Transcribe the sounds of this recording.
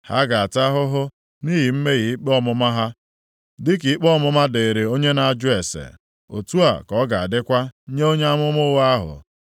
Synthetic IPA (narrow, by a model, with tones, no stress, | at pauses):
ha̰˦ɡa˨a˨ta˦ɦʊ˦ɦʊ˦ | niː˦ɦi˨m̩˦me˦ɣi˨i˦k͡pɔ˦mʊ˦ma˦ɦa˦ | dɪ˦ki˨i˦k͡pɔ˦mʊ˦ma˦de˨e˨ɾe˨o˦ɲe˦na˨a˨d͡ʒʊ˦e˨sḛ˨ | o̰˨tu˦a˨kɔ˨˦ɡa˨a̰˨dɪ˦kʷa˦ɲe˦o˦ɲe˦a˦mʊ˦mʊ˦ɣa˦ɦʊ̰˨